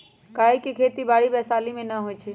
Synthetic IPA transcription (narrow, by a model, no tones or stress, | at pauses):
kaːɦikikʰeːt̪ibaːɽibɛːsaːlimẽnəɦojt͡ʃʰi